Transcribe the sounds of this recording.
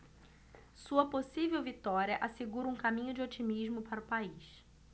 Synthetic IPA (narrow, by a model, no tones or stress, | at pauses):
suɐposivewvit̪ɔɾiɐʔaseɡuɾɐũkamĩɲʊd͡ʒɪot͡ʃimiʒmʊpaɾɐʊpaiʃ